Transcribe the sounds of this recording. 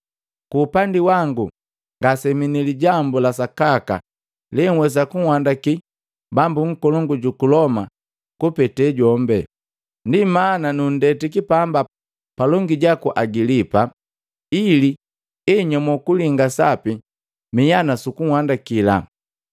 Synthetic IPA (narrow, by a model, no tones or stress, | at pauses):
kuːpandiwaŋɡu | ŋɡasɛminiliɟambulasakaka̰ | lɛŋ̩wɛs̬akuŋwandaki | bambuŋ̩kɔlɔŋɡuɟukulɔma | kupɛtɛɟɔmbɛ | ndimananun̩dɛtikipamba | palɔŋɡiɟakuʔaɡilipa | ili | ɛɲɔmɔkuliŋɡasapi | mijanasukuŋwandakila̰